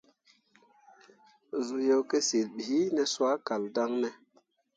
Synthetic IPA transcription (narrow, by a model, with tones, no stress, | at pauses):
zu˨jo˦ke˦si˨lɓi˨i˦nɛ˨swa˦ka˨lda˦ŋnɛ˨